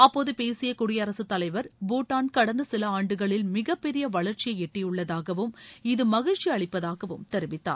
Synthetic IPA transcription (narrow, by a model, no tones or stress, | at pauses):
ɐpːoːðɯpeːsɪjɐkuːɽɪjɐɐɾɐsɯt̪ːɐlɐɪʋɐɾboːʈːaːnkɐɽɐnd̪ɐsɪlɐaːɳɖɯɣɐɭɪlmɪɣɐpːɛɾɪjɐʋɐɭɐɾt͡ʃɪjɐɛʈːɪjɯɭːɐðaːɣɐʋɯmɪðɯmɐɣɪɻt͡ʃːiɐɭɪpːɐðaːɣɐʋɯmt̪ɛɾɯʋɪt̪ːa̰ːɾ